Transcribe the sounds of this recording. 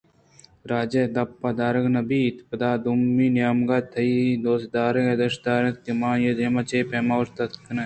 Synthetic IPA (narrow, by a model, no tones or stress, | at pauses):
ɾaːd͡ʒed̪ɐpːɐd̪aːɾɐɡnɐbiːt̪pɐd̪aːd̪umːiːnjaːmɡat̪ʰɐid̪oːsd̪aːɾeɡed̪ɐʃd̪aːɾet̪̚kimãːjed̪eːmɐt͡ʃeːpemaɾt̪ɐt̪kʰnɐ